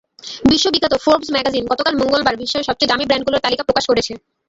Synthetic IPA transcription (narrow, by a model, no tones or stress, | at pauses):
biʃːobiɡʱat̪ofoɾbsmɛɡad͡ʑinɡɔt̪okalmoŋɡolbaɾbʱiʃːaeʃɔb̚t͡ɕojd̪amibɾɛɳɖɡuloɾt̪alikapɾokaʃkoɾet͡ɕʰe